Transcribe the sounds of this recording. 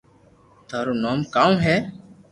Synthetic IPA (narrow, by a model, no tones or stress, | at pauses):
t̪ʰaːɾoːnoːmkaːũːɦɛː